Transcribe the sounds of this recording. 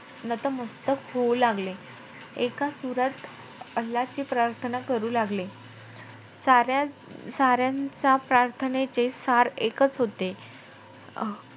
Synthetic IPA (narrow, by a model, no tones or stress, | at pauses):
nət̪əməst̪əkɦolaɡle | ekasuɾət̪ | əlːat͡ɕipɾaɾt̪ʰənakəɾuːlaɡle | saɾjasaɾjãt͡sapɾaɾt̪ʰənet͡sesaɾekət͡sɦot̪e